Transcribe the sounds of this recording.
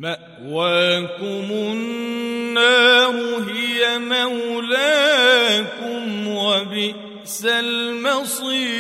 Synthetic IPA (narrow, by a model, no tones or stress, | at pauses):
maʔ | waːkʊmʊnːaːhʊɦɪjamawlaːkʊmwabɪ | salmasˤiː